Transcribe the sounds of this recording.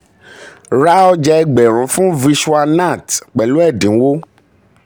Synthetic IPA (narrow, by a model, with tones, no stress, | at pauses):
ɾa˦ɔ˦d͡ʒa˧ɛ˦ɡ͡bɛ˨ɾ̃ũ˨˦fũ˦vi˧ʃu˦a˧na˦˨tk͡pɛ˨lũ˦ɛ˦˨dĩ˨˦wo˦